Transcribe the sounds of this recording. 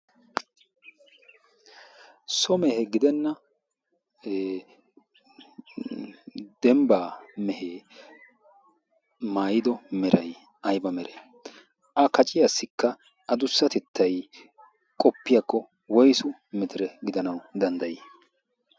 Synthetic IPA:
sɔmɛhɛɡɪd̪ɛnːɐ | d̪̥ɛmbaːmɛhe | maːjɪd̪ɔmɛɾʔɐj | ɐjbɐmɛɾɛ | ʔɐkɐt͡ʃʼɪjasːɪkːɐ | ɐd̪ʊsːɐt̪ɛt̪ʰːɐj | kʼɔpːɪjɐkːɔ | wɔjsʊ | mɪt̪ɪɾɛɡɪd̪ɐnɐwd̪ɐnd̪ɐjɛ

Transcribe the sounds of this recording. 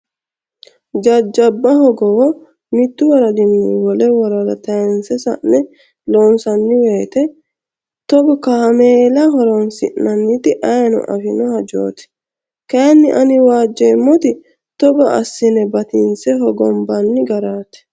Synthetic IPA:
d͡ʒɐd͡ʒːɐbːɐɦɔɡɔwɔ | mɪt̪ːʊwɐɾɐd̪ɪmːiwɔlɛwɔɾɐɾɐt̪ɐɛnsɛsɐ̰ʔnɛ | loːnsɐnːɪweːt̪ɛ | t̪ɔbɔkɐhɐmeːlɐɦɔɾɔnsɪ̰ʔnɐnːɪt̪ɪʔɐjnʊ̰ʔɐ̰fɪnɔhɐd͡ʒo̰ːt̪ɛ̥ | kɐjnːɪʔɐnɪwaːd͡ʒːemːɔt̪ɪ | t̪ɔbɐʔɐsːɪnɛbɐt̪ɪnsɛɦɔɡɔmbɐnːɪɡɐɾaːt̪ɛ̥

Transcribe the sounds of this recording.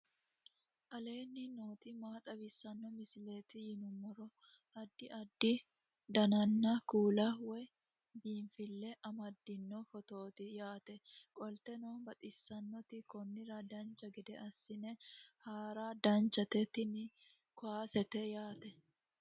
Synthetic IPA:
ʔɐle̞ːnːɪnoːt̪ɪmaːt̪ʼɐbɪsːɐnːɔmɪsɪleːt̪ɪjɪnʊmːɔɾɔ | ʔɐd̪ːɪʔɐd̪ːɪ | d̪ɐnɐnːɐkuːlɐwɔj | biːɱfɪlːɛʔɐmɐd̪ːɪnːɔfɔt̪o̞ːt̪ɪjaːt̪ɛkʼɔlt̪ɛnoːnbɐt̪ʼɪsːɐnːɔt̪ɪkɔnːɪɾɐd̪ɐnt͡ʃːɐɡɛd̪ɛʔɐsːɪnɛhaːɾad̪ɐnt͡ʃːɐt̪ɛt̪ɪnɪ | kʊaːsɛt̪ɛjaːt̪ɛ

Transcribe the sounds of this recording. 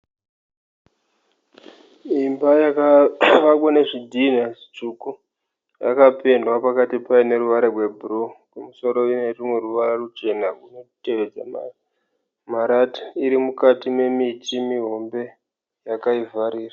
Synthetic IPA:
imbajakaʋak̬wane̞ʐidʱin̤ast͡ʂuku | ja̰kape̞ndwapakatipaene̞ɾuʋaɾerwe̞bʱurokumuso̞ɾo̞inerimwe̞ruʋaɾarut͡ʃe̞nauno̞te̞ʋe̞d͡za̰ma | maɾatḁiɾimukatime̞mitimiɦo̞mbe̞ | jakaivaɾiːra

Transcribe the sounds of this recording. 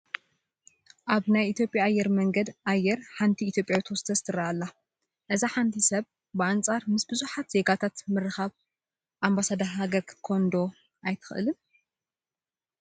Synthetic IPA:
ʔaβnajʔit̪jo̞pʼjaːjːɛɾmɐŋɡɐd̪ʔajːɛɾħant̪ʰiːt̪ʰjopʼjawt̪ʰɐwɔsɨ̥t̪ʰɐst̪ʰɨɾaalːa | ʔɨzaħant̪ʰisɐβ | bɨant͡sʼaɾmɨsbɨzuħat̪z̥e̞ɡat̪ʰat̪mɨɾɨxaβ | ʔambasad̪ɐɦaɡɐɾkʰkʰond̪o̞ | ʔajt̪ʰɨ̥xʔɨ̰lɨn

